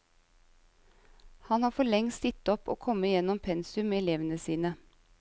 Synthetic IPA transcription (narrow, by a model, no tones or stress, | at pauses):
hɑnhɑːfɔɭɛŋst̪ɪt̪ɔpo̰ːkʰɔməjɛnɔmpʰɛnsʉmeːɛleːʋənəsiːnə